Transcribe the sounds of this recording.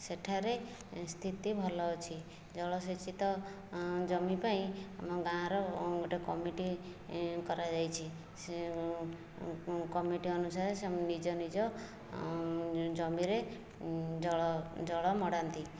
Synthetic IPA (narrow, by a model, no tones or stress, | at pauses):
seʈʰaɾe | st̪ʰit̪ibʱɔlɔwt͡ʃʰi | d͡ʒɔɭɔset͡ʃʰit̪ɔ | d͡ʒɔmipaĩamɔɡãɾɔɡoʈekɔmiʈi | kɔɾad͡ʒajt͡ʃʰi | se | kɔmiʈiɔnusaɾesnid͡ʒɔnid͡ʒɔ | d͡ʒɔmiɾe | d͡ʒɔɔd͡ʒɔɭɔmɔɽant̪i